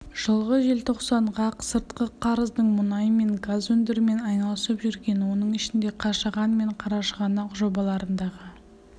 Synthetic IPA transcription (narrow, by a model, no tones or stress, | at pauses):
ʒ̥əlˠʁəʒe̞lt̪ʰo̞qsɑɴʁɑqsəɾt̪qəqʰɑɾəzd̪əɴmʊnɑjəme̞ŋɡazwɵnd̪ɪɾɪme̞nɑjnɑlˠəsəpʒʏɾɡʲe̞nwo̞nəɴɪʃɪnd̪e̞qʰɑʃɑʁɑnme̞ɴqʰɑɾɑʃəʁɑnɑqʒo̞bɑlˠɑɾənd̪ɑʁə